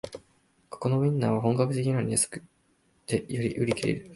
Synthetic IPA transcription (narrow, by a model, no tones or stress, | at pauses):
ko̥ko̞no̞mʲĩnːaβaɦõ̞ŋkakɯ̟t̪e̞k̬ʲina̟iasɨ̥kɯ̥ | d̪̥ejoɾʲḭʔɯɾʲikʲiɾe̞̰ɾɯ̟